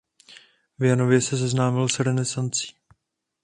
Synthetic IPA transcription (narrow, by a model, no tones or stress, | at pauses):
vjano̞vjɛsɛzɛznaːmɪlsɾɛnɛsant͡si̥ː